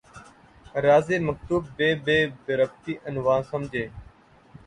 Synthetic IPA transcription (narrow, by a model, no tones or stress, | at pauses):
ɾaːzeːməkt̪uːb̚beːbeːbɪɾəbt̪iːʔənʋãːnsəmd͡ʒʱeː